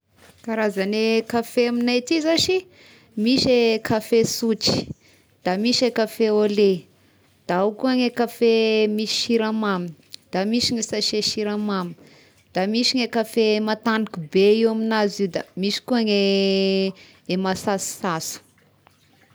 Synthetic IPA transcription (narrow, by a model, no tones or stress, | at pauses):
kaɾazanekafeaminat̪izaʃi | miʃekafesut͡ʃi̥ | d̪̥amiʃekafeole | d̪̥aukuaŋekafemiʃi̥ʃiɾamami | d̪̥amiʃiŋesaʃeʃiɾamami | d̪̥amiʃiŋekafemat̪anikubeiwaminazid̪amiʃi̥kuaŋe | emasasi̥sasu̥